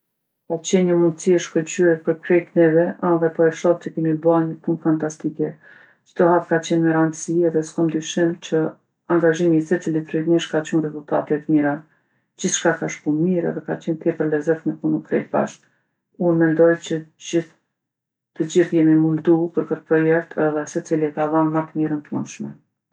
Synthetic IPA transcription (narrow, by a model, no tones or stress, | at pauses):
kat͡ɕɛnɲəmund̪siɛʃkɔt͡ɕyɛpəɾkɾɛk̪nɛvɛaðɛpɔɛfʃap̚t͡ɕəkɛmibanəpunfant̪ast̪ikɛ | t͡ʃə̥t̪ɔhat̪̚kat͡ɕɛnməɾand̪əsiɛðɛskɔnd̪yʃimt͡ɕə | aŋɡaʒimisɛt͡silit̪ɾɛmiʃkat͡ɕunrɛzult̪at̪ɛt̪miɾa | d͡ʑiθʃkakaʃkunmiɾɛ̰ðɛkat͡ɕɛnt̪jɛpəɾlɛzɛθmɛkunukɾɛ̰lba̰ʃt̪ | unmɛnd̪ɔjt͡ɕəd͡ʑiθ | t̪əd͡ʑiɾjɛmimund̪upəɾkət̪əpɾɔjɛk̚t̪ʰɛðɛsɛt͡silikaðanmat̪əmiɾənt̪əmunʃmɛ